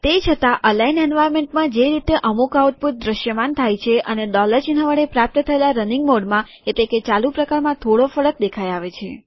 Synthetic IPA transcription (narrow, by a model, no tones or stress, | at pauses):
t̪et͡ʃʰət̪aʔəlainɛnʋajmeɳʈmãd͡ʒeɾit̪eʔəmukauʈ̚puɾ̚d̪ɾəʃjəmant̪ʰajt͡ʃʰeʔəneɖɔləɾd͡ʒinaʋəɭepɾap̚t̪ət̪ʰəelaɾəniŋɡmoɖmã | eʈleket͡ʃalupɾəkaɾmãt̪ʰoɽofəɭək̚d̪ekʰajaʋet͡ʃʰḛ